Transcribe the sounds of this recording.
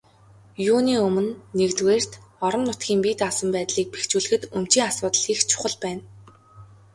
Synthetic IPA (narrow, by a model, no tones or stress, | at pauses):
juːniːɵmɘ̆nːekt̪weːr̥t̪ɔɾə̆mnʊt̪ɡʲiːŋpiːt̪asə̆mpæːt̪ɮiːk̚pe̥xt͡ɕuːɮɘ̆xɘ̆t̪ɵm̥t͡ɕiːŋasʊːt̪ə̆ɮxiːxt͡ɕʰʊ̥χə̆ɮpæːn